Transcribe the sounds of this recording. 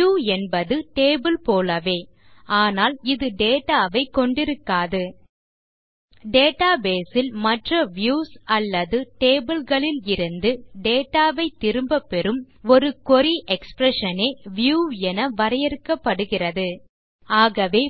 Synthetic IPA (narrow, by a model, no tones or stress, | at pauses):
juːɛnbɐðɯʈeːbɯlpoːlɐʋeː | aːnaːlɪðɯɖeːʈaːʋɐɪkːɔɳɖɪɾɯkːaːðɯ | ɖeːʈaːbeːsɪlmɐʈrɐʋjuːsɐlːɐðɯʈeːbɯlɣɐɭɪlɪɾɯnd̪ɯɖeːʈːaːʋɐɪt̪ːɪɾɯmbɐpːɛɾɯmɔɾɯkɔɾiʔɛkspɾɛʂɐneːʋɪjuːɛnɐʋɐɾɐjɛɾɯkːɐpːɐɽɯɣɪrɐðɯ | aːɣɐʋeː